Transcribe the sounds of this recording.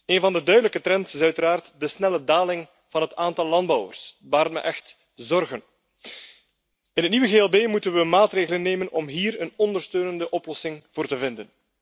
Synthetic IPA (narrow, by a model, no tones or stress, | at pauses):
eːnvɑndədœɥdələkətɾɛntɪsœɥtəɾaːrtdəsnɛlədaːlɪŋ | v̥ɑnɦətaːntɑlˠːɑnd̚bɑwə̰rsʋaːɾətmɛ̰ʔɛxt | zɔrɣən | ɪnətniʋəɣeːɛlˠbeːmutənʋəmaːtreːɣələnːeːmənɔmɦiːɾənɔndərstøːnəndəʔɔplɔsɪŋv̥oːrtəvɪndən